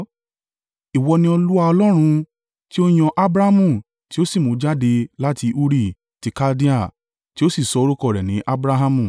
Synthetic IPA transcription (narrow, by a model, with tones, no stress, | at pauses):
i˨wɔ˧nĩ˧ɔ˧lu˦a˧ɔ˧lɔ˦ɾ̃ũ˧ | ti˦o˦j̃ɔ̃˧ʔa˦bɾa˦mũ˦˨ | ti˦o˦si˦˨mõ˨˦d͡ʒa˦de˧la˦ti˧ʔu˦ɾi˦˨ | ti˨˧ka˦di˦a˦˨ | ti˦o˦si˦˨sɔ˨˦o˧ɾu˦kɔ˦˨ɾɛ˨nĩ˨˦ʔa˦bɾa˦ɦa˦mũ˦˨